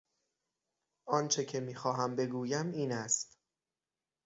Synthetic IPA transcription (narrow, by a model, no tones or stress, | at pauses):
ʔɒːnt͡ʃʰe̞cʰe̞miːxɒːɦæmbe̞ɡuːjæmiːnæst̪